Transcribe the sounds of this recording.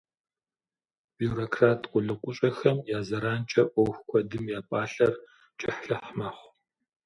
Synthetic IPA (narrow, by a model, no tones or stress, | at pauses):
b̥ijuɾoːkʰraːtʰqʷʼʊɮɨkʷʼʊɕʼɐxɐmjaːzɐɾaːnt͡ʃʼɐʔʷɔwxʷkʷʰɔdɨmjaːpʼaːɬɐr | t͡ʃʼɪħɬɐħmɐχʷ